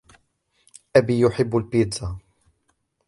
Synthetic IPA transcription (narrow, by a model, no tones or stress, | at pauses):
ʔæbiːjʊħɪbːʊlbiːd̪za